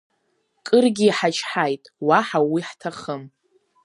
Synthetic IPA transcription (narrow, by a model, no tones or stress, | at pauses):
kʼɨrɡʲiːħat͡ʃʰʼħajtʼwaħawiħtʰaχəm